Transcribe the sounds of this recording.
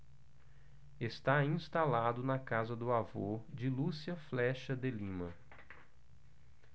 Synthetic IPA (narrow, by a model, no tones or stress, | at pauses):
est̪aĩst̪alad̪ʊnɐkazɐd̪ʊavod͡ʒɪlusiɐflɛʃɐd̪elĩmɐ